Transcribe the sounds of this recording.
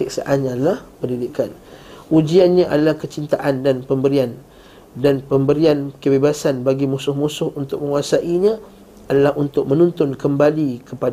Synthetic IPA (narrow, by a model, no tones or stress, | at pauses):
sik̚sa̰ʔanɲãadalahpəndidikanud͡ʒianɲãʔa̰dalahkət͡ʃint̪aʔandanpəmbəɾian | danpəmbəɾiankəbebasanbaɡimusʊhmusʊhunt̪ʊk̚mə̃ŋuasaʔiɲã | adalahʔunt̪ʊk̚mə̃nũnt̪ʊnkəmbalikəpad